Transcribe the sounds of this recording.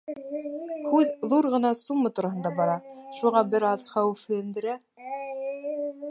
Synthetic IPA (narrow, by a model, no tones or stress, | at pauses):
hʉððuɾʁɤ̆nɑsummɤt̪uɾɑhɤnd̪ɑbɑɾɑʃuʁɑbɘ̆ɾɑðχæwɘfhɘ̆jɘ̆nd̪ɘ̆ɾæ